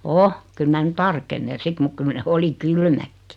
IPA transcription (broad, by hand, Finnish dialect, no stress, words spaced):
o kyl mæ nu tɑrkenːen̞ sit muk kyl ne oli kylmækːi̥